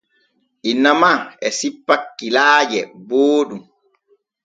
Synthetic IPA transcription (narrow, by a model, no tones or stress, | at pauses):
ʔinːamaɛsipːakːilaːd͡ʒɛboːɗum